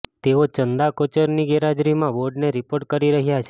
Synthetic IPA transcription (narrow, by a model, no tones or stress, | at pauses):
t̪eot͡ʃənd̪akot͡ʃəɾniɡeɾad͡ʒɾimãʋoɾɖneɾipoɾʈ̚kəɾiɾəɦjat͡ʃʰe